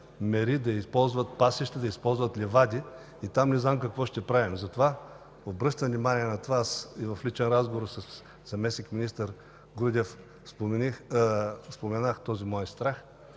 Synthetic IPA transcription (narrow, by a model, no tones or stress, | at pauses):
mɛɾid̪ɐispɔlˠzvɐt̪̚pasɛʃt̪ɛd̪ɐispɔlˠzvɐt̪lʲɛvad̪ʲiː | t̪amnɛznamkɐkvɔʃt̪ɛpɾavimzɐt̪ova | obɾɤʃt̪əvnimanʲiɛnɐt̪ovaasivɐflit͡ʃɛnɾazɡovoɾsɐs | zɐmɛsnikminist̪əɾ | ɡɾud̪ʲɛf | spomɛni | spomɛnaxt̪ɔzimɔɛst̪ɾax